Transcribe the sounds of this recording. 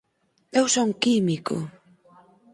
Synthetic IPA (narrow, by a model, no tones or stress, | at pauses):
ewsoŋkimikʊ̰